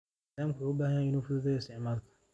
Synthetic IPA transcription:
aːmkʰʊʊbaːɦanɪnuːfʊd̪ʊðɛɪst̪ɪʕmaːl

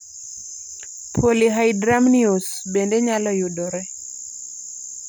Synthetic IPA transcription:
pʰoliɦajdɾamnios | bendeɲalɔjudɔɾɛ

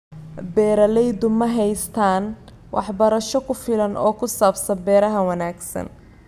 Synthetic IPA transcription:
bɛːɾɐlɛjd̪ʊmɐɦɛjst̪ʰaːn | wʔɑ̰ħbɐɾɐʃɔkʰʊfɪlɐnʔɔːkʰʊsaːbsɐnbɛːɾɐɦɐwɐnaːɡsɐ̰n

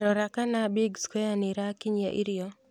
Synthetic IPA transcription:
ɾɔɾakanabiɡskɔjanɪɾakɪɲa̰ʔɪɾɪɔ

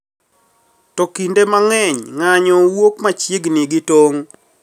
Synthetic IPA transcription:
tɔkindemaŋɛɲŋaɲɔwokmat͡ʃiɡnɪɡɪtoŋ

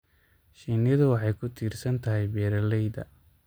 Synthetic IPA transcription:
ʃiːnɪðʊwɑħɑjkʰʊt̪ʰiːrsɐnt̪ʰɐɦɛjbɛːɾɐlɛjd̪ɐ̰

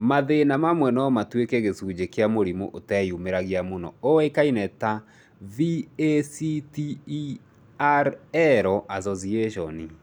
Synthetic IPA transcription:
maðenamamwɛnɔmatwekeɣesuːd͡ʑekeamoɾimo̰ʔotɛjumeɾaɣiamonɔ̰oekainɛta | viesiti | aɾɛɾɔʔazɔzieʃɔni

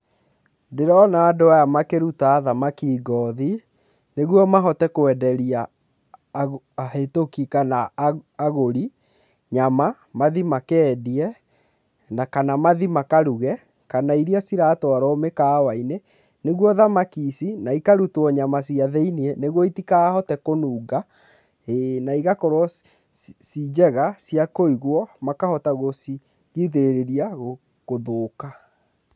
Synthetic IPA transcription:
deɾɔnaːdoajamakeɾutaːðamakiːɡɔði | neɣwɔmaɦɔtɛkoɛdɛɾia | ahetokikanaaɣoɾi | ɲama | maðimakɛːdiɛ | nakanamaðimakaɾuɣɛ | kanaiɾiasiɾatɔɾɔmekaːwaine | neɣwɔðamakisinaikaɾutwɔɲamasiaðɛinieneɣwɔitikaːhɔtɛkonuːɡa | enaiɣakɔɾwɔ | sid͡ʑɛɣasiakoiɣwɔmakahɔtaɣosi | ɣiðeɾeɾeɾiaɣo | ɣoðoːka

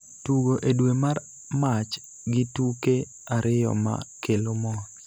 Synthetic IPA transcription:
tuɡoʔedwemar | mat͡ʃ | ɡɪtuke | aɾɪjɔ̰ma̰kelomɔ

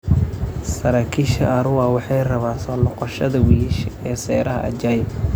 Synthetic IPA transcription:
sɐɾaːkʰiːʃɐ̰ʔɐɾʊwawɑħɑjrɐβaːsɔːlɔqɔʃɐðɐwiʃɛːsɛjɾɐɦɐ̰ʔɐ̰d͡ʒaːj

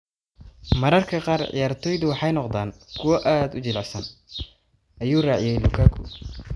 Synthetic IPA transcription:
mɐɾɐrkʰɐqɑːrʕɪ̰jaːrt̪ʰɔjðʊwɑħɑjnɔqd̪aːnkʰʊwɐʔaːd̪ʊt͡ʃɪlɛsɐn | ʔɐjuːrɑːʕɪjɛjlʊkʰaːkʰʊ̰

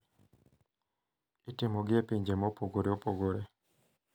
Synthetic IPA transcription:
itɪmoɡɪepiɲd͡ʒemɔpoɡoɾeopoɡoɾe

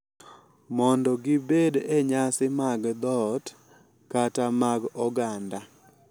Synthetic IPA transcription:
mɔndɔɡɪbedeɲasɪmaɡd̪ɔt | katamaɡɔɡanda

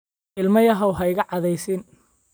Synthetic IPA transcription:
ʔɪlmɐjɐɦɐwɦɐjɣɐʕɑðɛjsɪn

